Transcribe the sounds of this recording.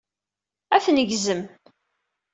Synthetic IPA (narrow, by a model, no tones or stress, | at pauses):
æθnəʝzəm